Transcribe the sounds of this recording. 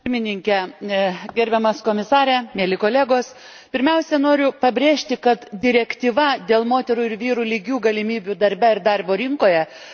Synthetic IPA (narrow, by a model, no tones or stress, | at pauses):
pʲɪɾʲmʲɪnʲɪŋʲkʲɛ | ɡʲɛɾʲbʲɛmɐskoːmʲɪsɑːɾʲɛmʲeːlʲɪkoːlʲæːɡoːs | pʲɪɾʲmʲɛʊsʲɛnoːɾʲʊpɐbʲɾʲeːʃʲt̪ʲɪkɐt̪d̪ʲɪɾʲɛkt̪ʲiːʋɐd̪ʲeːlˠmoːt̪ʲɛɾuːɪɾʋʲiːɾuːlʲɪɡʲuːɡɐlʲɪmʲiːbʲud̪ɐɾʲbʲæɪɾd̪ɐrboːɾʲɪŋkoːjɛ